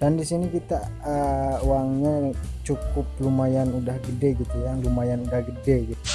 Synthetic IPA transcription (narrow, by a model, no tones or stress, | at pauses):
d̥andisinikit̪a | əowaŋɲat͡ʃukʊp̚lumajanudahɡədeɡit̪ujalumajanudahɡədeɡit̪u